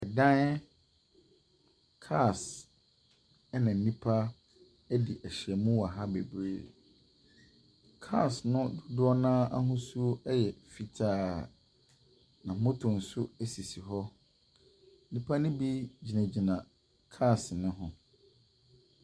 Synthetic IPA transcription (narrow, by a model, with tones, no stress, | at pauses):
ɛ˨dã˦n˦ | kʰa˦˨s | ɛ˦nã˨n̩˨nĩ˦pʰa˦ | ɛ˦di˨ʔɛ˨ɕɪ˨ɛ˨mũ˦wa˨ɦa˦be˨bɾḛː˦˨ | kʰa̰˦˨snʊ̃˦dʊ˨dʊ˦ɔ˦nãː˦a˦ɦʊ̃˦su˦o˦ɛ˦jɛ˨fi˨tʰaː˦˨ | nã˨mʊ̃˦tʰʊ̃˨n̩˨sʊ˦æ˦si˨si˨ɦɔ˦ | nĩ˦pʰa˦nʊ̃˦bi˦d͡ʑi˨næ̃˨d͡ʑi˨nã˨ | kʰa˦˨snʊ̃˦ɦʊ̃˨